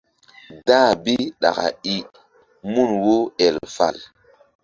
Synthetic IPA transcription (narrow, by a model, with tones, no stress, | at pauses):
daː˦bi˦ɗa̰˨ka̰˨i˦ | mu˦˨nwo˦ɛ˨lfa̰˨l